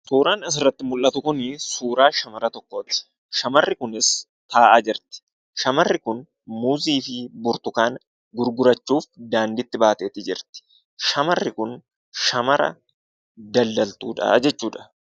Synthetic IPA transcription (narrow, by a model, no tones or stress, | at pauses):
suːɾaːnɐs̬ɪrːɐt̪ːɪmʊlʔɐt̪ʊkʊnɪsuːɾaːʃɐmɐɾɐt̪ɔkːoːt̪ɪ̥ | ʃɐmɐrːɪkʊnɪs | t̪ʰaːʔaːd͡ʒɪɾt̪ɪ̥ | ʃɐmɐrːɪkʊn | muːziːfɪbʊɾt̪ʊkaːn | ɡʊɾɡʊɾɐt͡ʃːuːfd̪aːnd̪ɪt̪ːɪbaːt̪eːt̪ɪd͡ʒɪɾt̪ɪ̥ | ʃɐmɐrːɪkʊn | ʃɐmɐɾɐ̰ | d̪ɐld̪ɐlt̪ṵːᶑɐ̰d͡ʒɛt͡ʃːuːᶑɐ̥